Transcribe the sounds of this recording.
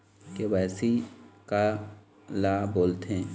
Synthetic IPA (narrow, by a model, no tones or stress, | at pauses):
keʋɛːsika | laːboːlt̪ɦɛ̃ː